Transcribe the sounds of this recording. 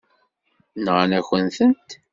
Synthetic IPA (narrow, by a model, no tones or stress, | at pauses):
nʁanæçənθənt̪